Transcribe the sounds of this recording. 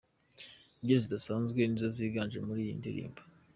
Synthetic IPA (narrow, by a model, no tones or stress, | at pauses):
iɟiɾzidasaːnzɡwe̞nizoziːɡaːnʒemuɾiːjindiɾḭːmbo